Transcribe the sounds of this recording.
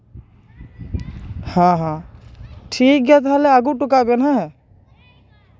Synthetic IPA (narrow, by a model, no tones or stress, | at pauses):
hãːɦã | ʈʰiːk̚ɡat̪ɦaleaɡuʈukabenɦaɦɛ